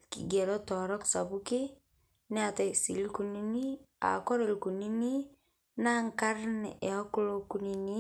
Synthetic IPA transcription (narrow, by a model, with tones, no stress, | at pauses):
kḭ˨ɡɛ˨ɾɔ˦tɔ˨ɾɔ˦ksa˨bu˦ki˦ | nɛ˦a˨tɛ˨si˨li˦ku˨ni˦ni˦a̰˨kɔ˦ɾe˨lku˨ni˦ni˦ | na˦ŋka˦ɾnɛ̰˨ʔɛ˨ɔ˦ku˦lo˦ku˨ni˨ni˦